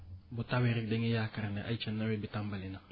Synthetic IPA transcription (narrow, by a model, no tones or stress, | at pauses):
bʊtaweɾɪk̚dɛŋejakaɾanɛʔa̰jt͡ʃanːawɛbɪtambalɪna